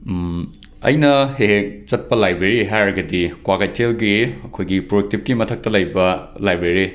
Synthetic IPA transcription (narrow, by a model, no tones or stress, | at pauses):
ɐ̰jnɐhek̚t͡ʃɐt̚pɐlajbɾeɾiɦajɾɐɡɐdikwakajtʰelɡiɐkʰojɡipɾoek̚tip̚kimɐtʰɐk̚tɐlɐjbɐ | lajbɾeɾi